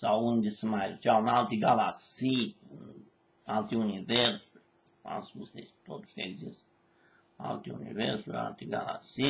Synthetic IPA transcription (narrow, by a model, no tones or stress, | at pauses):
saund̪esmajut͡ʃanalt̪ʲiɡalaksiːn | alt̪ʲiunʲiveɾsu | a̰lsmust̪est̪ot̪u̥skɛɡzist̪ | a̰lt̪ʲiṵnʲḭveɾsua̰lt̪iɡa̰la̰ksi